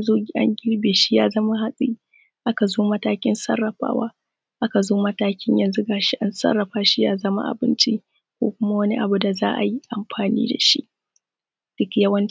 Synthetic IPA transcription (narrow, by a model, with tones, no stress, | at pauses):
zoː˦ɡʲi˨ʔa̰˦ŋɡʲɪ˦ɾbeː˨ʃi˦jaː˦zɐ˦ma˦ɦa˦sʼiː˦ | ʔa˦ka˨zoː˦mɐ˦taː˦kʲɪ˦nsɐ̰˦rːɐ˨ɸa̰ː˦waː˦ | ʔa˦ka˨zoː˦mɐ˦taː˦kʲɪ˦ɲjɐ˨nzu˦ɡaː˨ʃi˦ʔa˦nsɐ̰˦rːɐ˨ɸaː˦ʃi˦jaː˦zɐ˦ma̰˦ʔa̰˨bɪ˦nt͡ʃi˦ | kʷo̰ː˦kʷʊ˦ma˦wɐ˦ni˦ʔa˨bu˨da˨zaː˦ʔa̰˨ji˦ʔa˨mɸʰaː˨nḭː˦da̰˨ʃḭ˦ʔ | d̥ɪ˦kʲjɐ˦wɐ˦n˦